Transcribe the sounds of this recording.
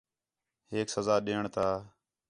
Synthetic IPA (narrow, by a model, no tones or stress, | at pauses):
ɦeːksəzaːɗeːəɳt̪ʰaː